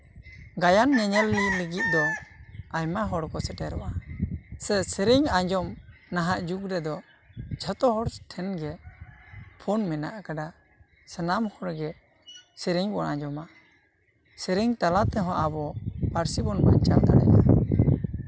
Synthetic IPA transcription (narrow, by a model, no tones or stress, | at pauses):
ɡajanɲɛɲɛlːiliɡit̪̚ˀd̪ɔ | ajmaɦɔɽkɔsɛʈʰɛɾɔʔasɛsɛɾiŋaɲd͡ʒɔmnaɦaʔd͡ʒukɾɛd̪ɔ | d͡ʒʰat̪ɔɦɔɽsɛ̥ʈʰɛnɡɛ | pʰɔnmɛna̰ʔakaɖa | sɛnamhɔɽɡɛ | sɛɾiŋbɔna̰ɲd͡ʒɔma | sɛɾiŋt̪alat̪ɛɦɔ̃ʔabɔpaɾsibɔnbaɲt͡ʃald̪aɽɛ̰na